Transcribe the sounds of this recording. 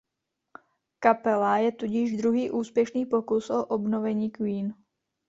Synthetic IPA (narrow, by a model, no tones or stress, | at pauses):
kapɛlajɛt̪uɟɪʒd̪ɾuɦiːʔuːspjɛʃniːpo̞kusʔoʔobnovɛɲiːkwiːn